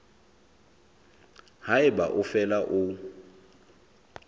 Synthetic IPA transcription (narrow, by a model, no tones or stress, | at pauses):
haɪbaʔufɛlaʔu